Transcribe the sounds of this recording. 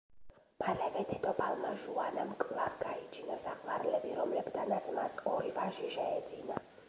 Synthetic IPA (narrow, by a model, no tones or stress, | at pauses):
mʰalɛvɛd̪ʰɛd̪ʼɔbalˠmaʒuanamkʼlaɾɡait͡ʃʰinɔsaqʼlaɾlɛbiɾɔmlɛbd̪ʰanat̪sʼmasɔɾivaʃiʃɛɛd̪zina